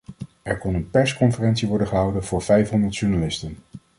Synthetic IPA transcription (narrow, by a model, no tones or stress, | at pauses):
ɛɹkɔnənpɛɹskɔnfərɛntsiʋɔɹdəχəɦʌwdənvʊːɹv̥ɛjfɦɔndəɹtʃuɹnalɪstən